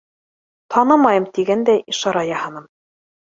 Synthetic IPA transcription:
t̪ʰɑnɤmɑjɤmt̪iɡænd̪æiʃɑɾɑjɑhɤ̆nɤm

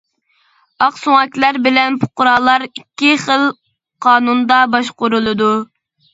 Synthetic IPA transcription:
ɑqsoŋɑkʲlæɾbɪlɛnpʰʊ̥qʊɾɑlˠɑɾikʲːiχəlˠ | qʰɑːnund̪ɑbɑʃqʊɾulˠɨd̪u

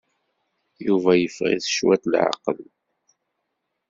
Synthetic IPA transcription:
juvæjəfʁḭðə̥ʃwæt̪lʕa̰qəl

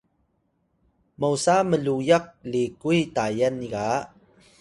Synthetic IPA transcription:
mowsaməɮujak̚likujtajaniɡa

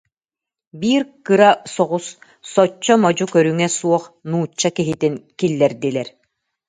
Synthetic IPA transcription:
biːɾkɯɾasɔʁusː | ɔt͡ɕːɔmɔd͡ʑukœɾyŋɛsuɔχnuːt͡ɕːakiɦit̪inkilːɛɾd̪ilɛɾ

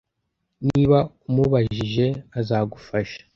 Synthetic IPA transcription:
niːβaumuβaʒiʒe̞azaːɡufaʃḁ

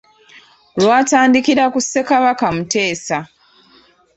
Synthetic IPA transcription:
olwaːtaːndikiɾakusːe̞kaβakamute̞ːsa

